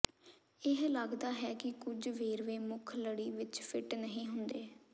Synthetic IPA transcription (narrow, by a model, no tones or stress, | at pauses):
ɪɦlaɡd̪aːɦɛːkɪkʊd͡ʒʋeːɾʋeːmʊkʰləɽiːʋɪt͡ʃpʰɪʈnəɦĩːɦʊnd̪eː